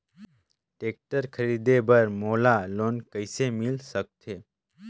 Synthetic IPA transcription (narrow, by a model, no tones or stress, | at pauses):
ʈeːk̚ʈəɾkʰəɾid̪ebəɾmoːlaloːnkəjsemilsək̚t̪ʰe